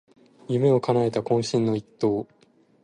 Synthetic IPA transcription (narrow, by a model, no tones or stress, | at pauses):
jɯ̟me̞o̞kanae̞t̪akõ̞ɰ̃ɕĩnːo̞it̪ːo̞ː